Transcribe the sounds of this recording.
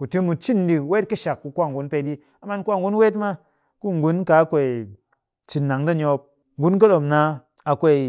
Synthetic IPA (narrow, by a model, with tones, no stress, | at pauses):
ku˨ti˦mu˨˧t͡ʃi˦ndi˧we˦t̚kɨ˦ʃa˨kku˧kʷa˦˨ŋ˨ɡu˨˦npe˧˨ɗi˦ | a˨ma˦n˦kʷwa˦˨ŋɡu˦n˦we˦tma˦ | ku˦˨ŋ˨ɡu˦nka˨˦kʷe˨ | t͡ʃi˨nːa˨ŋda˦˨ɲo˧p̚ | ŋɡu˦nk̬a˦ɗo˨mna˧˦ | a˨kʷe˧˨